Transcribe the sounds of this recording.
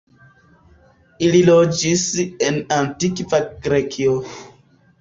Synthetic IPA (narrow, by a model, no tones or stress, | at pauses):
ililod͡ʒisenantikvaɡɾekʰio